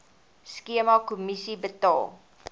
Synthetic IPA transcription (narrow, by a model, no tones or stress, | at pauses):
skiəmɑkumisibətɑ̰ːlˠ